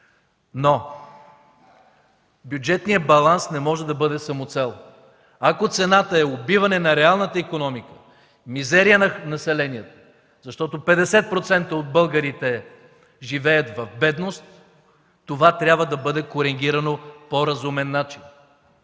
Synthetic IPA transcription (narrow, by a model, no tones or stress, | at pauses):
no | bjud͡ʒɛt̪nijəbɐlˠansnɛmɔʒɛd̪ɐbɤd̪ɛsɐmot̪sɛlˠ | ɐkot̪sɛnat̪əɛobivɐnɛnɐɾɛalˠnət̪əikonɔmikə̥ | mizɛɾijənnɐsɛlɛnijət̪ə̥ | zɐʃt̪ɔt̪opɛd̪ɛsɛt̪̚pɾot̪sɛnt̪əod̪̚bɤlˠɡəɾit̪ɛ | ʒivɛjət̪vɐfbɛd̪nost̪ː | ovat̪ɾʲjabvəd̪ɐbɤd̪ɛkoɾɛŋɡʲiɾɐnopoɾɐzumɛnːat͡ʃin